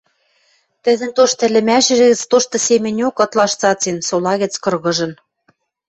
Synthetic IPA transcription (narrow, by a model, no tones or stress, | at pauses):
t̪ɘ̆ðɘ̆nt̪oʃt̪ɘ̆lɘ̆mæʃɘ̆ʒɘ̆ɣɘ̆t͡st̪oʃt̪ɤ̆semʲɘ̆nʲokɤ̆t̪lɑʃt͡sɑt͡sensolɑɣɘ̆t͡skɤ̆rɣɤ̆ʒɤ̆n